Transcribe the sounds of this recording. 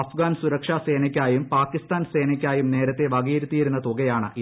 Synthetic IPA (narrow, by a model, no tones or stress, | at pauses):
ɐfɡaːnsuɾɐkʂaːse̞ːnɐkʲːaːjumpaːkːist̪aːnseːnɐkʲːaːjumne̞ːɾɐt̪ːe̞ʋɐɡiːɾut̪ːijiɾunːɐt̪oɡɐjaːɳɨ̰ʔi